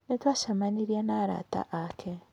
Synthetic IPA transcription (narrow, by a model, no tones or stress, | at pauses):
netwaʃamaniɾjanaːɾa̰ta̰ʔakʰe